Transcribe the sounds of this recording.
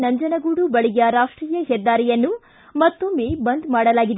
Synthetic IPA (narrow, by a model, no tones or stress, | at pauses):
nɐɲd͡ʒɐnɐɡuːɽubɐɭiɡɐɾaːʂʈɾiːjɐɦɛd̪ːaːɾɛjɐnːu | mɐt̪ːumeːbɐnd̪maːɽɐlaːɡid̪e